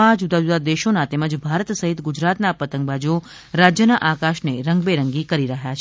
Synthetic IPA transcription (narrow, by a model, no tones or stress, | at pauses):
ãd͡ʒud̪ad͡ʒud̪ad̪eʃonat̪eməd͡ʒbʱaɾət̪səɦit̪ɡud͡ʒɾat̪napət̪əŋkbad͡ʒu | ɾad͡ʒjənaʔakaʃneɾəŋɡbeɾəŋɡikəɾiɾəɦjat͡ʃʰ